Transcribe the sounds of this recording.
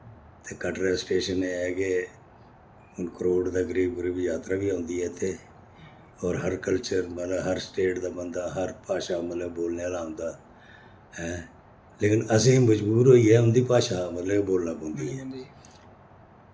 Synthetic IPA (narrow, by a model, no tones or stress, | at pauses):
t̪eːkəʈɾeːsʈeːʃəneɛːke | ʊnkəɾoːɖd̪aːɡəɾiːbɾibjaːt̪ɾaːbiːɦõːnd̪iːɦɛːt̪ʰeː | ɔːɾɦəɾkəlt͡ʃəɾmələbɦəɾsʈeːʈd̪aːbənd̪aːɦəɾpaːʃaːmət̪ləbːoːlneaːlaːɦʊ̃ːnd̪aː | ɦɛ̃ː | leːkɪnəsẽːməd͡ʒbuːɾɦoːiːɦɛːʊnd̪iːpaːʃaːmət̪ləboːlnaːbõːnd̪iːɦɛː